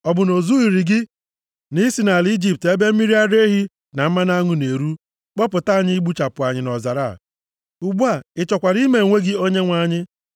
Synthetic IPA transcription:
ɔ˨bʊ˨no˨zu˦i˨ɾi˨ɡɪ˦ | ni˦si˨na˨li˦d͡ʒi˨p̚te˦be˦m̩˦mi˦ɾi˦a˦ɾe˦ɦi˦ | na˨m̩˦ma˦na˦ŋʊ˨ne˨ɾu˦ | k͡pɔ˦pʊ˨ta˦˨ɲɪ˦ɡ͡bu˦t͡ʃa˨pʊ˨a˨ɲɪ˨nɔ˨za˨ɾa̰˦˨ | u˨ɡ͡bu˦a˨ɪ˦t͡ʃɔ˨kʷa˨ɾi˦me˨ŋʷe˦ɡɪ˦o˦ɲe˦ŋʷa˨ɲɪ˦

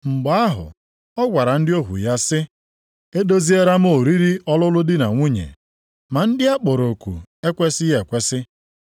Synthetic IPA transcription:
ŋ͡m̩˨ɡ͡ba˦ɦʊ̰˨ | ɔ˦ɡʷa˨ɾa˨n̩˦dɪ˦o˦ɦṵ˨ja˦sɪ˦ | e˦do˦zi˦e˦ɾa˦m̩˦o˨ɾi˦ɾi˦ɔ˦lʊ˦lʊ˦dɪ˦na̰˨ŋʷu˦ɲḛ˨ | ma˨n̩˦dɪ˦a˦k͡pɔ˨ɾo˨kʷṵ˨e˦kʷe˦sɪ˦je˨kʷe˦sɪ˦

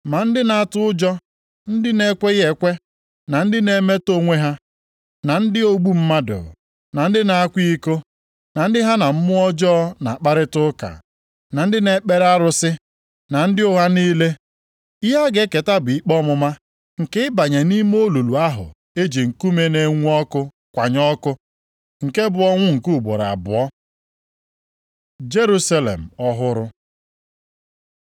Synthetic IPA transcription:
ma˨n̩˦dɪ˦na˨a˦˨tʊ˦ʊ˦d͡ʒɔ˦ | n̩˦dɪ˦ne˦kʷe˦e˨kʷe˦ | na˨n̩˦dɪ˦ne˦me˦to˦ŋʷe˦ɦa˦ | na˨n̩˦dɪ˦o˦ɡ͡bu˦m̩˦ma˦dʊ̰˨ | na˨n̩˦dɪ˦na˨a˦kʷi˦ko˦ | na˨n̩˦dɪ˦ɦa˦na˨m̩˦mʊ˦ɔ˦d͡ʒɔ˦na̰˨a˨k͡pa˦ɾɪ˦tʊ˦ka̰˨ | na˨n̩˦dɪ˦ne˨k͡pe˦ɾa˦ɾʊ˦sɪ˦ | na˨n̩˦dɪ˦ʊ˦ɦa˦niː˦le˦ | ɪ˦ɦa˦ɡe˦ke˨ta˦bʊ˨i˦k͡pɔ˦mʊ˦ma˦ | ŋ̩˨kɪ˦ɪ˦ba˨ɲe˨ni˦m˦o˦lu˨lu˨a˦ɦʊ̰˨ | e˦d͡ʒi˨ŋ̩˨ku˦me˦ne˨ŋʷu˦ɔ˦kʊ˦ | kʷa˨ɲɔ˦kʊ˦ | ŋ̩˨ke˦bʊ˦ɔ˦ŋʷʊ˦ŋ̩˨ku˦˨bo̰˨ɾa̰˨bʊ̰˨ɔ˦ | d͡ʒe˦ɾu˦sa˦lḛ˨m̩˨ɔ˦ɦʊ˦ɾʊ˦

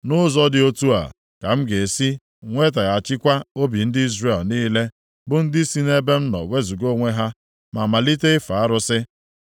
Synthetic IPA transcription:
nʊ˦zɔ˦dɪ˨o˦tu˦a̰˨ | ka˨m̩˦ɡe˨si˦ | ŋʷe˦t̬a˨ɣa˨t͡ʃɪ˦kʷa˦o˦bi˨n̩˦dɪ˦i˦zɾe˨lniː˦le˦ | bʊ˦n̩˦dɪ˦si˦ne˦be˦n̩˦nɔ̰˨we˦zu˨ɡo˦ŋʷe˦ɦa˦ | ma˨ma˨li˦te˦fa˨a˦ɾʊ˦sɪ˦

